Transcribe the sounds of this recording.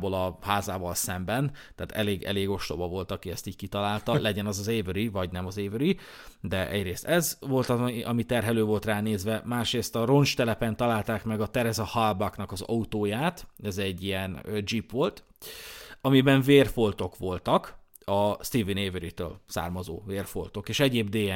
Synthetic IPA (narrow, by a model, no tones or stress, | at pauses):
bolɒhaːzaːvɒlsɛmbɛnt̪aːt̪ɛ̰leːɡɛ̰leːɡo̞ʃlo̞̰bɒvo̞lt̪ɒkiɛst̪iːc̚kit̪ɒlaːlt̪ɒlɛɟɛnɒzɒzeːvøɾivɒɟnɛmɒzeːvøɾi | d̪ɛʔɛ̰ɟreːst̪ɛzvo̞lt̪ɒiʔɒmit̪ɛrɦɛløːvo̞lt̪raːneːzʋɛmaːʃreːst̪ɒɾo̞nt͡ʃt̪ɛlɛpɛnt̪ɒlaːlt̪aːkmɛɡɒt̪ɛɾɛzɒhɒlbɒknɒkɒzɒ̰ut̪oːjaːt̪ɛzɛɟːijɛnød͡ʒipʋo̞lt̪ | ɒmibɛɱveːrfo̞lt̪o̞kʋo̞lt̪ɒk | ɒst̪ivineːvøɾit̪ø̰ːlsa̰ːrmɒzo̰ːveːrfo̞̰lt̪o̞keːʃɛɟeːbd̪eːɛ